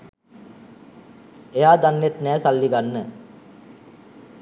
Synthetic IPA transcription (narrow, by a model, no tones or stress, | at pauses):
ejaːd̪anːet̪nɛːsalːiɡanːə